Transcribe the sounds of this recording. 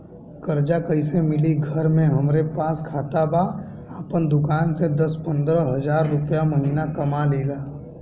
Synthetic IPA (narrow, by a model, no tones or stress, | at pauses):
kəɾd͡ʒakəisemɪliɡʱəɾmẽɦɐmɾepaːskʰaːt̪aba | aːpənd̪ʊkaːnsed̪ɐspə̃nd̪ɾəɦɐzaːɾːʊpjamɐɦiːnakɐmaleːlaː